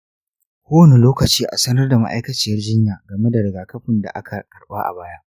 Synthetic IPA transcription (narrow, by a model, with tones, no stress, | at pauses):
kʷoː˦wne˨loː˦kɐ˨t͡ʃiː˦ʔa̰˨sɐ˦nɐ˦rda˨ma̰˦ʔa̰˦jkɐ˦t͡ʃi˨jɐ˦rd͡ʒɪ˦ɲjaː˨ɡɐ˨me˦da˨ɽɪ˨ɡaː˨kɐ˦ɸɪ˨nda̰˨ʔa˦kʰa˨kʼɐ˨ɽaː˦ʔa̰˨baː˦jaː˦ʔ